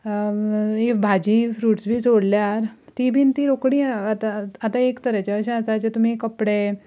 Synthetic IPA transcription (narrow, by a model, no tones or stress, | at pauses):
ebʱad͡ʑifɾuːʈsbʱiːt͡soɽljaɾt̪ibʱiːnt̪iɾokɽiat̪aat̪aekt̪əɾat͡ɕaəɕãat͡sat͡ɕet̪um̤ikəpɽe